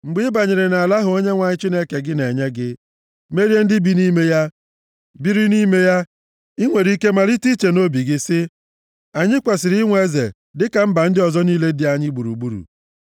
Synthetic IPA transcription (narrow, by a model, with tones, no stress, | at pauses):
ŋ͡m̩˨ɡ͡bɪ˦ba˨ɲɪ˨ɾɪ˨na˨a˨la˦ɦʊ˨o˦ɲe˦ŋʷa˨ɲɪ˦t͡ʃi˦ne˦ke˨ɡɪ˦ne˨ɲe˦ɡɪ˦ | me˦ɾje˦n̩˦dɪ˦bi˦ni˦me˦ja˦ | bi˦ɾi˦ni˦me˦ja˦ | i˦ŋʷe˨ɾi˦ke˦ma˨ɾi˦ti˦t͡ʃe˨no˦bi˨ɡɪ˦sɪ˦ | a˨ɲɪ˦kʷe˨sɪ˨ɾŋʷe˦e˦zḛ˨ | dɪ˦ka˨m̩˦ba˨n̩˦dɪ˦ɔ˨zɔ˦niː˦le˦dɪ˦a˨ɲɪ˦ɡ͡bu˨ɾṵ˨ɡ͡bu˦ɾṵ˨